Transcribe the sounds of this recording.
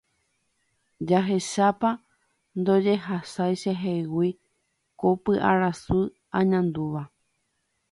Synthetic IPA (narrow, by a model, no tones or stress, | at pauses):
d͡ʒaɦe̞ʃapa | nd̪o̞d͡ʒe̞ɦasajʃeɦewi | kopɨʔaɾasu | ãɲãnd̪uʋa